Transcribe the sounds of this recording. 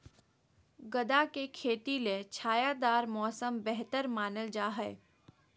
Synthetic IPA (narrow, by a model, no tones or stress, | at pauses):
ɡəd̪akekʰeːt̪ilet͡ʃʰaːjad̪aːɾmɔːsəmbɛɦt̪əɾmaːnəld͡ʒaːɦɛː